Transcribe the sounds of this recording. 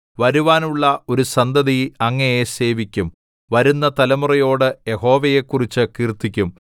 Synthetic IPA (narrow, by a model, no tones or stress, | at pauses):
ʋɐɾuʋaːnuɭːɐo̞ɾusɐnd̪ɐðijɐŋːɐjese̞ːʋikʲːum | ʋɐɾunːɐt̪ɐlɐmurɐjo̞ːɽɨje̞ho̞ːʋɐje̞kːurit͡ɕːɨkiːrt̪ːikʲːum